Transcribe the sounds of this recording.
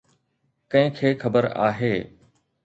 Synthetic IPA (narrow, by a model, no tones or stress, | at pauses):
kɐ̃ɦɪ̃kʰeːxɐbəɾa̰ːɦeː